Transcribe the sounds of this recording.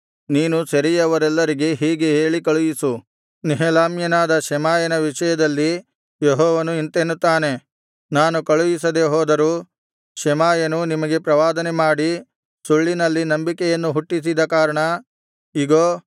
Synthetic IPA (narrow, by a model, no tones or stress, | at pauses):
niːnusɐɾijɐʋɐɾɛlːɐɾiɡe̞ɦiːɡeɦeːɭikɐɭujisu | niɦɛlaːmjɐnaːd̪ɐʃɛmaːjɐnɐʋiʂɐjɐd̪ɐlːi | jeɦɔːʋɐnuint̪enːut̪ːaːne̞ | naːnukɐɭujisɐd̪e̞ɦɔːd̪ɐɾuː | ʃɛmaːjɐnunimɐɡe̞pɾɐʋaːd̪ɐnemaːɽi | suɭːinɐlːinɐmbikɛjɐnːuɦuʈːis̬id̪ɐkaːɾɐɳɐ | iɡoː